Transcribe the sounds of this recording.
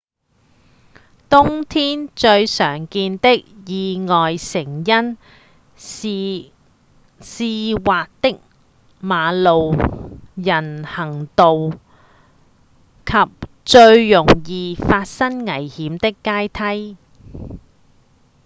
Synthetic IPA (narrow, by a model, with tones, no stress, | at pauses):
t̪ʊ˥ŋt̪ʰiː˥nt͡ʃɵ˧ɥsœː˨˩ŋkiː˧nt̪ɪ˥k̚jiː˨˧ŋɔː˨jsɪ˨˩ŋjɐ˥n | siː˨˧waː˨k̚t̪ɪ˥k̚ | maː˨˧lo˨w | jɐ˨˩nhɐ˨˩ŋt̪o˨w | kʰɐ˨p̚ | t͡ʃɵ˧ɥːʊ˨˩ŋjiː˨faː˧t̚sɐ˥ŋŋɐ˨˩jhiː˨˥mt̪ɪ˥kːaː˥jt̪ʰɐ˥j